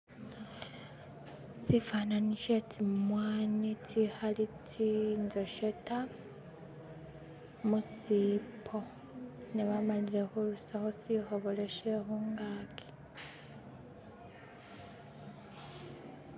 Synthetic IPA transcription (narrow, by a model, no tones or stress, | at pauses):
sifaːnaniʃetʰimwaːnitʰihalitʰinzoʃeta | musiːpʰo | neβamaliɾexolusaxosihoβoleʃexoŋɡaːkʰi̥